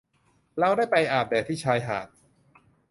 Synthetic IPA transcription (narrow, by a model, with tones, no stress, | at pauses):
lɛː˦˥wdaː˥˩jpa˧jʔaː˨˩p̚bɛː˨˩t̪ʰiː˥˩t͡ɕʰaː˧jɦa̰ː˨˩t̪̚